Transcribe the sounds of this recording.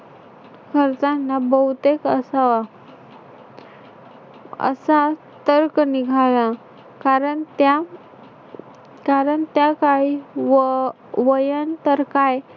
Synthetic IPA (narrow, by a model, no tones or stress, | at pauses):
kʰəɾt͡sanːabəwt̪ekəsaʋa | ə̰sa | t̪əɾkniɡʱaɭa | kaɾəɳt̪a | kaɾəɳt̪jakaɭi | ʋəjant̪əɾkaj